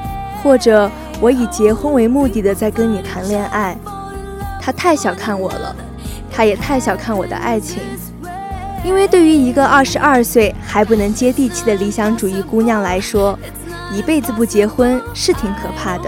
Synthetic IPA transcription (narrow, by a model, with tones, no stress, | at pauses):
xwɔ˥˩ʈ͡ʂɤ˨˩ | wɔ˧˥i˨˩t͡ɕjɛ˧˥xwə˥nwe˧˥ɪmu˥˧t̪i˥˩d̪ə˩t͡sa˥˩ɪkə˥nni˨˩t̪ʰa˧˥nljɛ˥˧nʔa˥˩ɪ | t̪ʰa˥t̪ʰa˥˩ɪɕjɑ˨˩ʊkʰa˥˩nwɔ̰˨˩lə̰˦ | t̪ʰa˥jɛ˨˩t̪ʰa˥˩ɪɕjɑ˨˩ʊkʰa˥˩nwɔ˨˩d̪ə̰˦ʔa̰˥˩ɪt͡ɕʰḭ˧˥ŋ | i˥nwe˥˧ɪt̪we˥˩ɪy˧˥i˧˥ɡə˧ɐ˥˩ʂɻ̩˧˥ʔɐ˞˥˧swe˥˩ɪxa˧˥ɪp̬u˥˩nɤ˧˥ŋt͡ɕjɛ˥t̪i˥˧t͡ɕʰi˥˩d̪ə˩li˧˥ɕjɑ˧˥ŋʈ͡ʂu˨˩i˥˩ku˥njɑ˥˩ŋla˧˥ɪʂwɔ˥ | i˧˨˩pe˥˩ɪd͡zɹ̩˩p̬u˥˩t͡ɕjɛ˧˥xwə˥nʂɻ̩˥˩t̪ʰi˧˥ŋkʰɤ˨˩pʰa˥˩d̪ə˩